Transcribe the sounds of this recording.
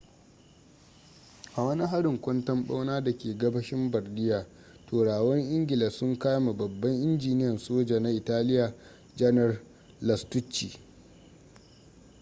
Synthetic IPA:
ʔa˨wɐ˦ni˦ɦa˦ɽɪ˨ŋkʷɔ˦ntɐ˦mɓa̰˦wnaː˦da˨kʲeː˨ɡɐ˦bɐ˦ʃɪ˦mbɐ˨rdɪ˦jaː˨ | toː˨ɽaː˨wɐ˦ŋʔɪ˦ŋɡʲɪ˨lɐ˨sʊ˦ŋka˦jma˨bɐ˨bːɐ˦ŋʔɪ˦nd͡ʒiː˨nɪ˦jɐ˨nsoː˦d͡ʒa˨na˦ʔɪ˨taː˦lɪ˦jaː˨ | d͡ʒɐ˦nɐ˨r | lɐ˨stʊ˦t͡ʃːi˨

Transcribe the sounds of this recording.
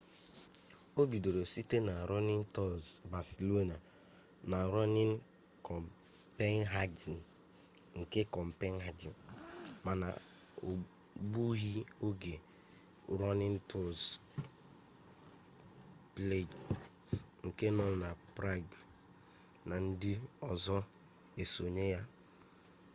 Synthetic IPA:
o˦bi˨do˨ɾo˨si˦te˦na˨ɾɔ˦nɪ˦n̩˦tɔ˦˨zba˨se˨lo˦na˨ | na˨ɾɔ˦nɪ˦n˦ | kɔ˨m | pe˦n˦ɦa˦d͡ʒi˨n˨ | ŋ̩˨ke˦kɔ˨m̩˨pe˦n˦ɦa˦d͡ʒi˨n˨ma˨na̰˨o˨ | bu˦ɦi˦o˦ɡe˨ | ɾɔ˦nɪ˦n̩˦tʰo˦z | ple˦˨d͡ʒ | ŋ̩˨ke˦nɔ˦˨na˨pɾa˦˨ɡ | na˨n̩˦di˦ɔ˨zɔ˦ | e˨so˨ɲe˦ja˦

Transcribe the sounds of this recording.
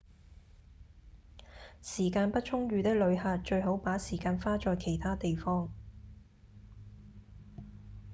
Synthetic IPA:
siː˨˩kaː˧npɐ˥t̚t͡ʃʰʊ˥ŋɥyː˨˧t̪ɪ˥k̚lɵ˨˧ɥhaː˧t̚t͡ʃɵ˧ɥɦo˨˥wpaː˨˥siː˨˩kaː˧nfaː˥t͡ʃɔː˨˧jkʰe˨˩jt̪ʰaː˥t̪e˨jfɔː˥ŋ

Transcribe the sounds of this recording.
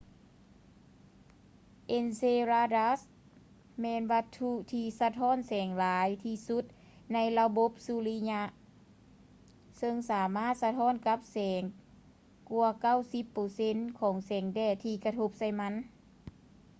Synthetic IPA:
ʔe˧nseː˧ɾaː˧da˧s | mɛː˧nʋa˧t̪ʰːu˧t̪ʰiː˧sa˧t̪ʰɔː˧˥˨nsɛː˨˩˦ŋlaː˨˦jt̪ʰiː˧su˧˦t̪̚ | na˧˥jla˧bo˧˦p̚su˧li˧˥ɲa˧ʔ | sɤ˧ŋsaː˩˦maː˥˩˨t̪̚sa˧t̪ʰɔː˧˥˨nka˧˥p̚sɛː˩˦ŋ | ku˧ɐka˥˩˨wsi˧˦pːɤː˧se˧˥nkʰɔː˩˦ŋsɛː˩˦ŋdɛː˧˩t̪ʰiː˧˩ka˧t̪ʰo˧p̚sa˧˩jma˧˥˨n

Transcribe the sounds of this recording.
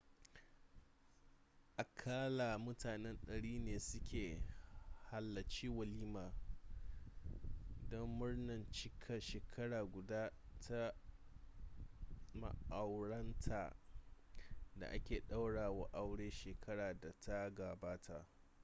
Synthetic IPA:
ʔa˨kʰaː˦la˨mʊ˦taː˨nɛ˦nɗɐ˨ɽiː˦neː˨sʊ˦kʲʰeː˨ | ha˨lːɐ˨t͡ʃiː˦wɐ˨liː˦maː˨ | dɔ˦mːʊ˦rnɐ˨nt͡ʃɪ˦kʰɐ˨nʃeː˨kʰɐ˦ɽaː˨ɡʷʊ˨daː˦tʰa˦ | ma̰˦˨ʔa˨wɽɐ˦ntʰa̰ː˨ | da̰˨ʔa˦kʲeː˨ɗa˦wɽaː˨wa˨ʔa˦wɽeː˦ʃeː˨kʰɐ˦ɽaː˨da˨tʰa˦ɡaː˨baː˦tʰa˦ʔ

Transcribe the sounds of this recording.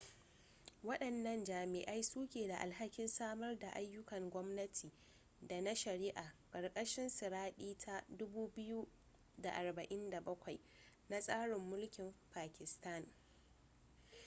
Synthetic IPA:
wɐ˦ɗɐ˨nːɐ˦nd͡ʒaː˨mɪ˨ʔa˦jsuː˦kʲeː˨da˨ʔa̰˨lɦa˦kʲɪ˦nsaː˦mɐ˦rda˨ʔa˦jːʊ˦kɐ˨ŋɡʷɔ˦mnɐ˦tʰiː˨ | da˨na˦ʃɐ˨ɾiː˦ʔaː˨kʼɐ˨rkʼɐ˦ʃɪ˦nsɪ˨ɾaː˦ɗiː˦tʰa˦dʊ˦buː˦bɪ˦ju˦ | da˨ʔa˨rbɐ˨ʔɪ˦nda˨bɐ˦kʷa˨j | na˦sʼaː˦ɽɪ˨mːʊ˦lkʲɪ˨mpaː˨kʲɪ˨sta˦˨n

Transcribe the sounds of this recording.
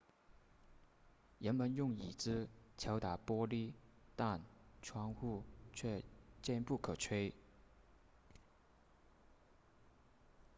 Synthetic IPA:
jə˧˥nmə˧˥njʊ˥˩ŋi˨˩t͡sɹ̩˥t͡ɕʰjɑ˧˥ʊt̪a˨˩pwɔ˥li˥˩t̪a˥˩nʈ͡ʂʰwɑ˧˥ŋxu˥˩t͡ɕʰɥɛ˥˧t͡ɕjɛ˥˧npu˥˩kʰɤ˨˩ʈ͡ʂʰwe˥ɪ

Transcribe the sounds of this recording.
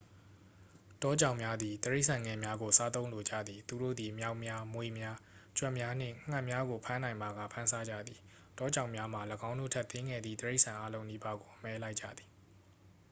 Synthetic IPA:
tɔ˦d͡ʑã˨ʊ̃mja˦d̪ði˨t̪əɹe˦ɪʔsʰã˨ŋɡɛ˨mja˦ɡo˨sa˦t̪õ˦ʊ̃lo˨d͡ʑä̰˦˨d̪ði˨t̪u˨ɾo̰˦˨d̪i˨mja˦ʊʔmja˦mwe˨mja˦t͡ɕwɛ˦˨mja˦n̥ɪ̰̃˦˨ŋ̥ã˦˨mja˦ɡo˨pʰã˦nã˨ɪ̃mba˨ɡa̰˦˨pʰã˦nsa˦d͡ʑa̰˦˨d̪ði˨ | tɔ˦d͡ʑã˨ʊ̃mja˦m̥a˨ləɡã˦ʊ̃ndo̰˦˨tʰɛ˦t̪ːɪ̃˦ŋɡɛ̰˦˨d̪ðḭ˦˨t̪əɹe˦ɪʔsʰã˨ʔa˦lõ˦ʊ̃ni˦ba˦ɡo˨ʔəmɛ˦la˦ɪʔt͡ɕːa̰˦˨d̪ði̥˨

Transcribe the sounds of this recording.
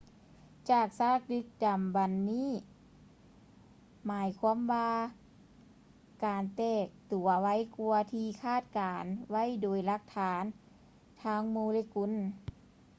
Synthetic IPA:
t͡ɕaː˨˩k̚saː˧˥˩k̚dɯ˧˥k̚da˨˩mba˨nːiː˧˥˨ | maː˨˦jkʰu˧˥˨mwaː˧ | kaː˨˩nt̪ɛː˧˩k̚t̪u˨˩ɐwa˧˥jku˧ɐt̪ʰiː˧kʰaː˥˩t̪̚kaː˨˩nwa˧˥˨jdoː˨˩jla˧k̚t̪ʰaː˩˦n | t̪ʰaː˧˥ŋmoː˧leː˧˥ku˧˥˨n

